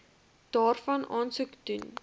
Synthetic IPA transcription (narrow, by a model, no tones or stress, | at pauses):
d̥ɑːrfɐnʔɑːnsukdun